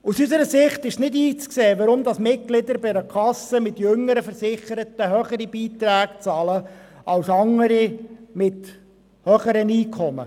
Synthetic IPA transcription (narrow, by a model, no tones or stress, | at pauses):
usysəɾəsɪχt̪ɪʃsnɪdiːt͡skseːʋɑɾʊmd̪ɑsmɪt̚ɡ̥lɪd̪əɾbɪɾəkʰɑsəmɪt̪jɵŋːəɾəfəɾsɪχəɾət̪əɦœχəɾib̥iːt̪ɾæːkt͡sɑːləʔɑwsɑŋəɾimɪt | hœχəɾəniːkʰɔmə̰